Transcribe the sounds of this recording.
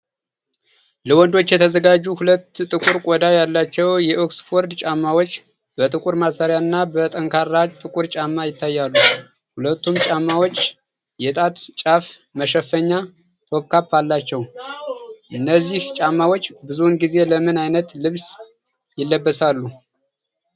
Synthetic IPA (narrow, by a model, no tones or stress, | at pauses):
ləwɔnd̪o̞t͡ʃːjɛt̪ʰəzəɡad͡ʒːuhulət̪ːt̪ʼɨkʼuɾkʼɔd̪ajalːat͡ʃːɛwjɛʔoksfo̞ɾd̪t͡ʃʼamːawot͡ʃː | bət̪ʼɨkʼuɾmasaɾjaɨnːabət̪ʼəŋkʰarːad͡ʒt̪ʼɨkʼuɾt͡ʃʼamːajɪt̪ʰːajːalːu | hulət̪ːumt͡ʃʼamːawot͡ʃː | jɛt̪ʼat̪t͡ʃʼaf | məʃəfːəɲːa | t̪ʰo̞βkʰapːalːat͡ʃːɛw | ʔɨnːəzːiht͡ʃʼamːawo̞t͡ʃːbɨzunɡize̞ləmɨnajnət̪lɨβs | jɪlːəbːəsalːu